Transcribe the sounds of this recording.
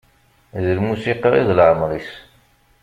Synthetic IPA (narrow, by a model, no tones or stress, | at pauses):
ðəlmusiqɑḭðlʕəmɾˤis